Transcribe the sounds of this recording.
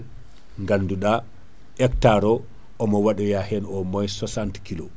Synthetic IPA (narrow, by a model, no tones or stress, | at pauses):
ŋɡanːduɗa | ɛktaɾɔ | ʔɔmɔwaɗɔjahɛnɔmɔjsɔsantkilo